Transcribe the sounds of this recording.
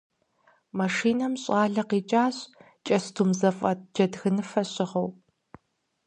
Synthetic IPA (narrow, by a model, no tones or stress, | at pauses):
mɐʂiːnɐmɕʼɑːɮɐqiːt͡ʃʼaːɕʼ | t͡ʃʼɐstʰuːmzɐfʼɐtd͡ʒɐdɣɨnɨfɐɕʼɪʁɐw